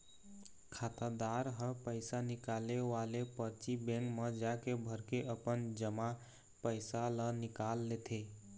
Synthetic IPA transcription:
kʰat̪əd̪aɾɦəpəɪsanikaleʋalepəɾt͡ʃibɛ̃ŋkməd͡ʒakebʱəɾkeʔəpənd͡ʒəma | pəɪsalənikalːet̪ʰe

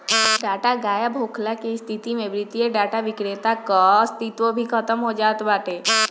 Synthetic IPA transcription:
ɖaːʈaɡaːjabʱoːkʰlakest̪ʰit̪imẽbɾɪt̪ijeɖaːʈaʋɪkɾet̪akɔst̪it̪ʋobʱikʰət̪əmɦod͡ʒaːt̪baːʈeː

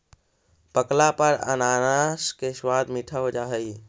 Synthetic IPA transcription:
pəklapəɾə̰nanaskeswad̪miʈʰəbd͡ʒaɦəj

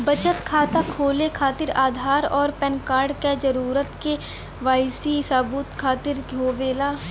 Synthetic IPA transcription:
bət͡ʃət̪kʰaːt̪akʰoːlekʰaːt̪ɪɾaːd̪ʱaːɾɔːɾpɛ̃nkaːɾɖked͡ʒəɾuːɾət̪ke | ʋaːɪsisaːbuːt̪kʰaːt̪ɪɾɡʱoːʋeːlaː

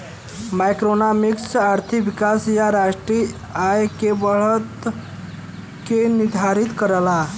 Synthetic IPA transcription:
majkɾonamiksaɾt̪ʰibikasjaɾasʈɾi | ajkebəɭət̪ | kenid̪ʱaɾit̪kəɾəla

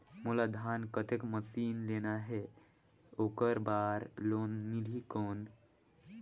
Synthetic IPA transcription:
mulad̪ʱankət̪ekməsinlenaɦe | okəɾbaːɾlonnilʱikoːn

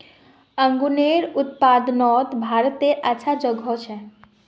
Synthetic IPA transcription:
əŋɡuneɾut̪̚pad̪nɔt̪bʱaɾt̪eʔat͡ʃʰad͡ʒəɡʱɔt͡ʃʰɛ

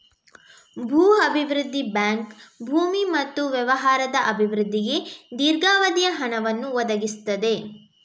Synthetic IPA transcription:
bʱuːɐbʱiʋɾud̪ʱːibaːŋkbʱuːmimɐt̪ːuʋjɛʋɐɦaːɾɐd̪ɐʔɐbʱiʋɾud̪ʱːiɡe̞d̪iːɾɡaːʋɐd̪ijɐɦɐnɐʋɐnːuʋɔd̪ɐɡist̪ːɐd̪e̞

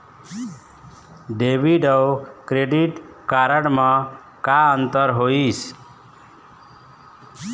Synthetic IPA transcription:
ɖebiɖʌwkɾeɖiʈkaɾəɽmã | kaənt̪əɾɦois

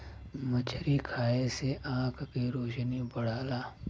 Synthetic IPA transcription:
mət͡ʃʰɾikʰaːeseʔãːkkiɾoːʃnibɐɽ̤aːlaː

